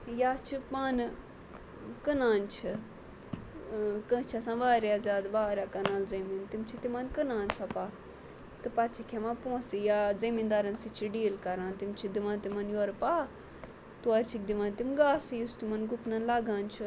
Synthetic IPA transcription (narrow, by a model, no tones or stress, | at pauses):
jaːt͡ʃʰipaːnɨ | kənaːnt͡ʃʰi | kət͡ʃʰasãʋaːɾjaːzʲaːd̪ʋaːɾʲjaːkɐnaːlzɐmint̪imt͡ʃʰit̪imɐnkənãːnsɐpaː | t̪ɨpat͡ʃʰikʲʰeʋãːnpõːsijaːzɐmind̪aɾɐnsit͡ʃʰiɖiːlkɐɾãːnt̪imt͡ʃʰid̪iʋãːnt̪imɐnjoːɾpaː | t̪uɐɾʲt͡ʃʰik̚d̪iʋãnt̪imɡaːsijust̪imɐnɡupnanlaɡãːnt͡ʃʰi